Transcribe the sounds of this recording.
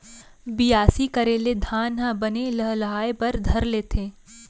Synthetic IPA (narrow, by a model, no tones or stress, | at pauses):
bɪjaːsikɐɾeːled̪ʱaːnɦɐ̃bɐneləɦlɐɦaːepɐɾd̪ʱɐɾleːt̪ʰeː